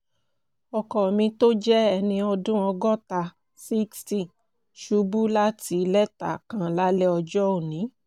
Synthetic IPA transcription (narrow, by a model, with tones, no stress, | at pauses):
ɔ˨kɔ˨mĩ˧to˦d͡ʒɛ˦ɛ˧nĩ˧ɔ˧dũ˦ɔ˧ɡɔ˦ta˧ | si˦ksti˦˨ | ʃu˧˦bu˦la˦ti˧˦˧lɛ˦ta̰˨kã˧la˦lɛ˦ɔ˧d͡ʒɔ˦o˦˨nĩ˨˦